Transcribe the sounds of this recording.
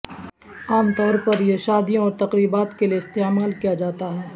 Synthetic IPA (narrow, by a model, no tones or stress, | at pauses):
aːmt̪ɔːɾpɐɾjeʃaːd̪ijõɔːɾt̪ɐqɾiːbaːt̪kelieɪst̪eːmaːlkijad͡ʒaːt̪aɦɛː